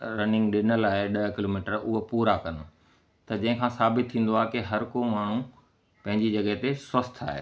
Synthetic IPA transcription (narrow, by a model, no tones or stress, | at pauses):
ɾɐnɪ̃ŋɡɗɪnəlaːɦeɗɐkɪloːmiːʈəɾʊɦopuːɾakɐn̆ | t̪ɐd͡ʑɐ̃ɦɪ̃kʰãːsaːbɪt̪t̪ʰːĩːn̆d̪oaːɦekiɦɐɾkomaːɳ̤u | pɐ̃ɦɪ̃ɲd͡ʑid͡ʑɐɠəɦt̪eswɐst̪ʰa̰ːɦḛː